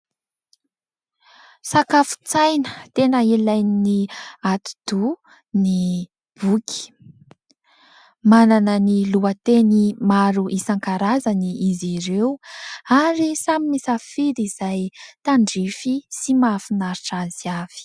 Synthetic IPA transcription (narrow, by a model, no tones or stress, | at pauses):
sakafu̥t͡sajnə̥t̪enəilajniniat̪u̥d̪u | ni | b̥ukʲi̥ | mananəniluət̪enimaɾuʔisaŋkaɾazaniiziɾewaɾisaminisafiɾiz̥ajt̪aɳɖ͡ʐifisimafinaɾiʈ͡ʂaziav̥i̥